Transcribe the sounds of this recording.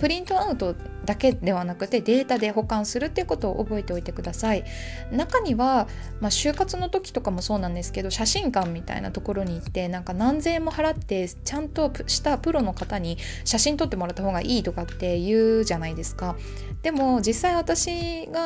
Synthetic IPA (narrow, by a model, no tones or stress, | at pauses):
pɯ̟ɾʲĩnt̪o̞aɯ̟t̪o̞ | d̪ake̞d̪e̞βanakɯ̟t̪ːe̞d̪e̞ːt̪ad̪e̞ɦo̞kãɰ̃sɨɾɯ̟t̪ːeɯ̟ko̞t̪o̞ːʔːbo̞e̞t̪eo̞it̪e̞kɯ̟d̪asai | nakaɲ̟iβa | maɕɨːkat͡sɨno̞t̪o̞kʲi̥t̪o̞kamo̞so̞ːnãnd̪e̞sɨ̥ke̞d̪o̞ɕaɕĩŋkãmːʲit̪a̰ḭna̰t̪o̞ko̞ɾo̞ɲ̟iːt̪ːe̞nãŋkanãnd͡ze̞ːmo̞haɾat̪ːe̞t͡ɕãnt̪o̞ɕi̥t̪apɯ̟ɾo̞no̞kat̪aɲ̟i | ɕaɕĩnt̪o̞t̪ːe̞moɾat̪ːaɦo̞ːɡa̰ʔiːt̪o̞kat̪ːe̞jɯ̟ːʑanaid̪e̞sɨ̥ka | d̪̥e̞mo̞d͡ʑisːaiβ̞at̪aɕi | ɡa